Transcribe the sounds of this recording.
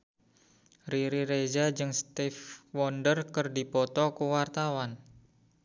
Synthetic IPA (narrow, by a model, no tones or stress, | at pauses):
riɾiɾed͡ʒad͡ʒɨŋst̪ifwɔndərkərdipɔt̪ɔkuwart̪awan